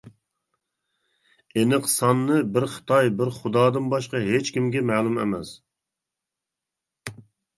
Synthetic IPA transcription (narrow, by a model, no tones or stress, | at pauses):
enɨqsɑnːɨbɪɾχɨ̥t̪ʰɑjbɪɾχʊd̪ɑːd̪ɨnbɑʃqɑɦet͡ʃkʲimɡʲɛmɛːlˠumɛ̰mɛs